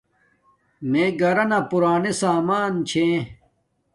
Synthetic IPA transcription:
meːɡɐɾɐnapuɾaːnesaːmaːnt͡ɕʰẽ

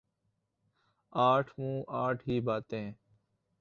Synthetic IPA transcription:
aːʈʰmũːʔaːʈʰɦiːbaːt̪ẽː

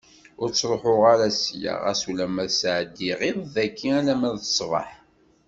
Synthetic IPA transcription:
ʊɾt͡sːɾˤoħʊʁaɾæsja̰ʁæ̰sulæmæðsʕəd̪ːiʁiðˤðækːiælæmæðθə̥sˤvˤə̰ħ

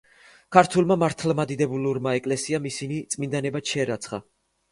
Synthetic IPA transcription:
kʰaɾt̪ʰulˠmamaɾt̪ʰlmad̪id̪ɛbuluɾmaɛkʼlɛsiamisinit̪sʼmind̪anɛbaʃʰɛɾat̪sʰχa̰

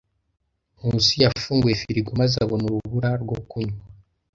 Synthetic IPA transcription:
husijafuːŋɡwefiɾiɡumazaβonuɾuβuɾaɾɡokuɲw

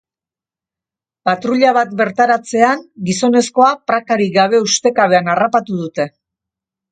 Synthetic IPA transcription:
pat̪ɾuʎaβat̪be̞ɾt̪aɾat͡se̞aŋɡiso̞ne̞sko̞apɾakaɾiɡaβ̞e̞ust̪e̞kaβe̞anarapat̪uð̞ut̪e̞

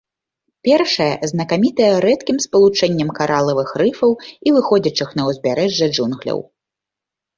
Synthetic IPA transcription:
pʲɛrʂɐjɐ̰znɐkamʲit̪ɐjɛɾɛt̪kʲimspɐlˠut͡ʂɛnʲːɐmkaɾʔalˠɐvɨxrɨfɐwivɨxɔd͡zʲɐt͡ʂɨxnɐwzʲbʲaɾɛʐːɐd͡ʐunɣlʲɐ̰w

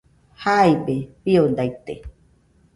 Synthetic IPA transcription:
haibepiond̪ajt̪e

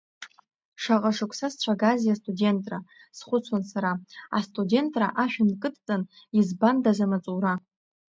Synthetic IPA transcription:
ʂaqʼaʂɨkʷʰsast͡ɕʷʰaɡazijastʼudʲe̞ntʼra | sχʷʊt͡sʷʰansaɾaa̰stʼude̞ntʼraʔaʃᶣʊnkʼɨtʼt͡sʼɨn | izbandazamat͡sʼuɾa

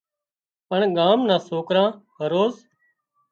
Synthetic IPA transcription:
pəɳɠaːmnãːsoːkɾãːɦəɾoːz

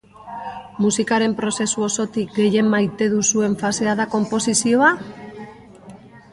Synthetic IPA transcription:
musikaɾe̞mpɾo̞se̞suo̞so̞t̪ik̚ɡe̞je̞mːajt̪e̞ðusue̞ɱfase̞aðako̞mpo̞sisio̞a

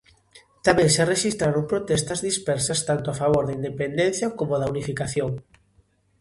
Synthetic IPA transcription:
t̪amɛ̃ŋsareʃist̪ɾaɾõŋpɾot̪ɛst̪ɐzðispɛɾsɐst̪ant̪oafaβ̞oɾðaind̪epend̪ɛ̃n̟θjɐkomoðaunifikaθjoŋ

